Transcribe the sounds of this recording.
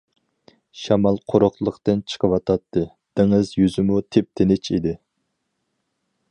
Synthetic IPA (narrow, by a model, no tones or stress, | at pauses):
ʃɑmɑlˠqʰoɾʊχlˠəqt̪ɨnt͡ʃʰə̥qʰəwɑt̪ʰɑt̪ʰːɨ | d̪̥ɪŋɨzjyzɪmut̪ʰep̚t̪ʰenɪt͡ʃʰid̪ɪ